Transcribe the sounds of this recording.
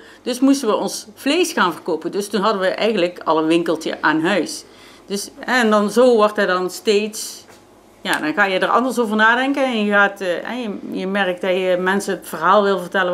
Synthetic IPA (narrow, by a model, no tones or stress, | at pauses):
d̥ɵsmustənʋəʔɔnsflejsxaːnvərkowpəndɵstunɦɑdənʋəʔɛ̰jɣəndləkɑlˠəʋɪŋkəlˠtə̰ʔaːnɦœɥs | d̥ɵsɛndɑnzoːʋɔɹtɦɛdɑnsteːts | jaːdɑnɣaːjədərɑ̰ndəɹsovəɹnaːdɛŋkənɛnjəɣaːtːɛ̰jəjəmɛrək̚tdɑjəmɛnsəətfərɦaːlˠʋɪlˠvərtɛlə